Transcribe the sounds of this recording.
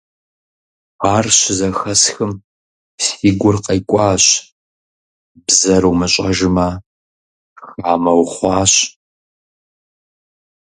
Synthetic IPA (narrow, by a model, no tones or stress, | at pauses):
aːrɕɪzɐxɐsxɨm | siːɡʷʊrqɐjkʷʼɑːɕ | bzɐɾwmɨɕʼɐʒɨmɐ | xaːmɐwχʷɑːɕ